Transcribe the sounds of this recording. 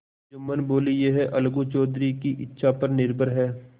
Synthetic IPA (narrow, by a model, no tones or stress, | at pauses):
d͡ʒʊmːənboːlijeːɦɛʔɐlɡut͡ʃɔːd̪ɾikiʔɪtːʃʰapɐɾnɪɾbʱəɾɦɛː